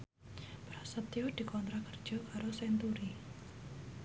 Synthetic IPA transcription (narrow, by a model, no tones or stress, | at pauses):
b̥ɾasət̪iud̪̥i̤kɔnt̪ɾakərd̥d͡ʒʒ̥ɔ̤kaɾosɛnt̪uɾi